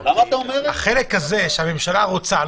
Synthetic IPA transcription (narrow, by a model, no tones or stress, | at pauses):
amat̪aomeʁaχelekhazeʃehamemʃalaʁot͡sal